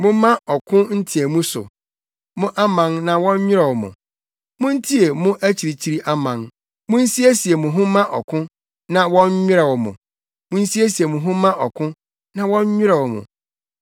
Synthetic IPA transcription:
mʊ̃˦mã˦ɔ˨kʰʊ̃˦n̩˦tʰi˨e˨mũ˦sʊ̰˨ | mʊ̃˦ʔa˦mã˨nnã˨wɔ̃˦ɲ˦ɲᶣɪ˦ɾɛ˨wɔ˨mʊ̰̃˨ | mʊ̃˦n̩˦tʰi˦e˨mʊ̃˦ʔæ˦t͡ɕʰi˨ɾi˨t͡ɕʰi˦ɾi˦ʔa˦mã˨n | mʊ̃˦n̩˦si˦e˦si˨e˨mʊ̃˨ɦʊ̃˦mã˦ʔɔ˨kʰʊ̃˦ | nã˨wɔ̃˦ɲ˦ɲᶣɪ˦ɾɛ˨wɔ˨mʊ̰̃˨ | mʊ̃˦n̩˦si˦e˦si˨e˨mʊ̃˨ɦʊ̃˦mã˦ʔɔ˨kʰʊ̃˦ | nã˨wɔ̃˦ɲ˦ɲᶣɪ˦ɾɛ˨wɔ˨mʊ̰̃˨

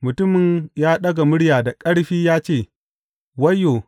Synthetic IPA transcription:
mʊ˨tʊ˦mɪ˨ɲjaː˦ɗɐ˦ɡa˨mʊ˦ɽjaː˨da˨kʼɐ˦ɽɸiː˦jaː˦t͡ʃeː˦˨ | wɐ˦jːoː˨

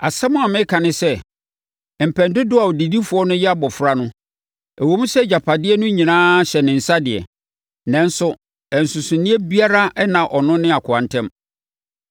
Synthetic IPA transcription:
a̰˨sɛ˦mʊ̃˦a˨mɪ̃˦kʰã˨nɪ̃˦sɛ˦ | m̩˨pʰɛ̃˨ndʊ˦dʊ˦a˨wɔ˨di˨di˦fʊ˨˦ɔ˦nʊ̃˦jɛ˦a˦bɔ˨fʊ˨ɾa˦nʊ̃˦ | æ˨wo˨˦mũ˦sɛ˦d͡ʑa˨pʰa˨dɪ˦ɛ˦nʊ̃˦ɲĩ˨nãː˦ɕɛ˨nɪ̃˨n̩˨sa˦dɪ˨ɛ̰˨ | nɛ̃˦n˦sʊ˦ | ɛ˨n˨sʊ̃˨sʊ̃˨nĩ˦e˦bi˦a˦ɾa˦ʔɛ˦nã˨ʔɔ˨nʊ̃˦nɪ̃˦a˨kʰʊ˨ã˨ntʰɛ̃˦m

